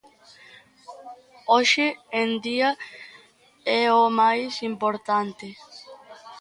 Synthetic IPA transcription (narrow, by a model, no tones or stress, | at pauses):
oʃɪend̪ia | ɛomajsimpoɾt̪ant̪ɪ